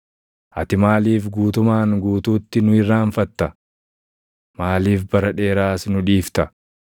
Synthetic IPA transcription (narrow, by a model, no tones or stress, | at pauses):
ʔɐt̪ɪmaːliːfɡuːt̪ʊmaːŋɡuːt̪uːt̪ːɪnʊɪrːaːɱfɐt̪ːɐ | maːliːfbɐɾɐᶑe̞ːɾaːsnʊᶑiːft̪ɐ